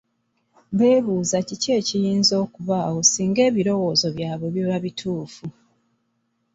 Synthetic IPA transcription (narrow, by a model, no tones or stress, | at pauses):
βe̞ːβuːzacice̞ːcijiːnzo̞ːkuβaːwo̞siːŋɡe̞ːβiɾo̞wo̞ːzo̞βjaːβwe̞βjoβaβitʰuːfu